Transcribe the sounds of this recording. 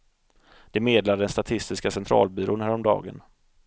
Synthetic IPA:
d̪̥ɛmeːd̪lad̪əd̪ɛnst̪at̪ʰɪst̪ɪskasɛnt̪ʰɾɑ̰ːlbyːɾonhæːɾɔmd̪ɑ̰ːɡə̰n

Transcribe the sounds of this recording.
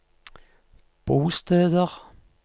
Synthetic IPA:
b̥oːsd̪̥ɛːðəʁ

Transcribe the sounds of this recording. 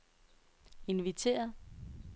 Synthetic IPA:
e̝nʋit͡sʰe̝̰ːɐ

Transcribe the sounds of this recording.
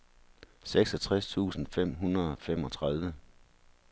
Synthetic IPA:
seɡ̥sɒ̽t͡sʰʁast͡sʰṵːsn̩fem̰ɦunʁɐðˠɒ̽fem̰ɒ̽t͡sʰʁaðˠʋə

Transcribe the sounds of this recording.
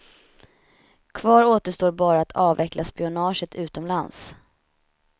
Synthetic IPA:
kʰvɑːɾoːt̪əʂt̪oːɾbɑːɾaat̪ʰɑːvɛklʔaspɪʊnɑːʂət̪ʰʉ̟ːt̪ɔmlans

